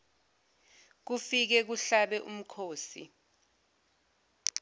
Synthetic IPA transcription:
k̬ufik̬ɛk̬uɬaɓɛʔum̩kʰoːsḭ

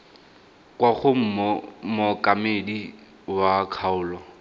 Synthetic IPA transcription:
kwaχʊm̩mɔmʊkʼamedi | wakʰaʊːlɔ

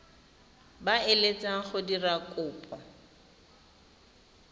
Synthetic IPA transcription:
baɪlet͡sʼaχʊdirakʼʊːpʼɔ

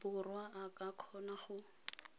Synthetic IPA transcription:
bʊrwaʔakʼakʰɔnaχʊ

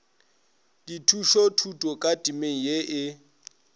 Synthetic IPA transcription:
d̥itʰuʃotʰutʼɔkʼatʼimeŋ̩jeʔɪ

